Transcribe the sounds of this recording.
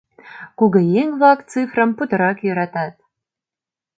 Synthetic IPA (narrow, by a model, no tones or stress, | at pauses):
kuɡə̆jeŋvˠɑk̪t͡sɨfrə̆mput̪ɤ̆ɾɑkjɤ̆ɾɑt̪ɑt̪̚